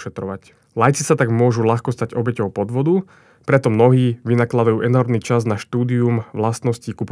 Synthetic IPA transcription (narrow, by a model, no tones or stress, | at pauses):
ʃɛt̪ɾɔʋac | lajt͡sisat̪aɡmʊɔʒulaxkɔst̪aɟɔbɛcɔʊpɔd̪ʋɔd̪u | pɾɛt̪ɔmnɔɦiːʋinaklad̪ajuːʔɛnɔɾmnit͡ʃaznaʃt̪uːd̪iumʋlast̪nɔscikup